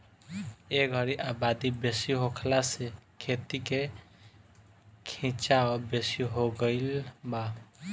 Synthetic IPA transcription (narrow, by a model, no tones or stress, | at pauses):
eɡʱʌɾiʔabad̪ibesiɦokʰlasekʰet̪ike | kʰĩt͡ʃaɔbesiɦoɡəɪlba